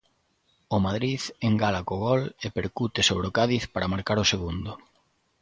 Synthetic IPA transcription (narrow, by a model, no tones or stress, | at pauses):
ʊmaðɾiðeŋɡalakoɣɔlepeɾkut̪ɪsoβ̞ɾeokaðiθpaɾamaɾkaɾʊseɣund̪ʊ